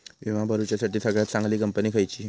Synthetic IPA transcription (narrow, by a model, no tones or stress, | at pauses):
ʋiʋãbəɾut͡ɕjasaʈiːsəɡɭjat̪̚sãŋɡliːkəmpəniːkʰajt͡ɕiː